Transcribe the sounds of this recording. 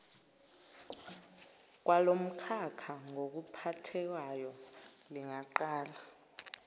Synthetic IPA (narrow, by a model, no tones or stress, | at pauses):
k̬ʼwalom̩kʰakʰaŋok̬upʰatʰɛwajɔliŋaǃaːla